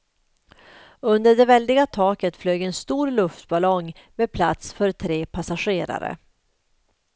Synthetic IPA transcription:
ɵnd̪əɖɛvɛld̪ɪɡat̪ʰɑːkət̪fløːɡɛnst̪uːɾlɵft̪balɔŋ | meːd̪̚pʰlat̪sfœɾt̪ʰɾeːpʰasaɧeːɾa̰ɾə̰

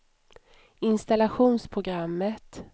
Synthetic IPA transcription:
ɪnst̪alaɧuːnspʰɾʊɡɾamːət̪

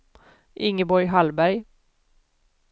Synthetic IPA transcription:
ʔɪŋːəbɔɾjɦalbæɾj

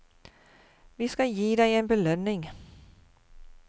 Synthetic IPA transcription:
ʋisɡ̥æjiːdæɪeːnbelœnːɪŋ

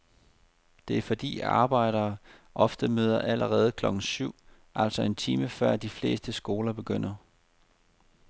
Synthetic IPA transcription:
d̥e̝æɐfɒ̽d̥ḭːɑ̈ːb̥ɑ̈ɪ̰ɾ̥ɐːʔɒ̽fd̥əmøːð̞ˠɐʔæləʁɛːð̞̩ˠəkʰlɒ̽ɡ̥n̩syʊ̰ | ʔæl̰sɒ̽e̝nt͡sʰiːməfɶɐ̰d̥ifle̝̰ːsd̥əsɡ̥o̝ːlɐb̥e̝ɡ̥øn̰ɐ

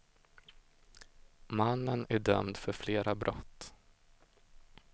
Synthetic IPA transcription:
manːənæɖœmd̪fœɾfleːɾabɾʔɔt̪ː

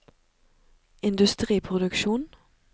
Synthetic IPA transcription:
ɪnd̪ʉst̪ʁiːpʰʁʊd̪ʉkʃuːn

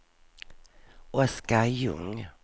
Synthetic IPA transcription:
ʔɔskajɵ̰ŋ

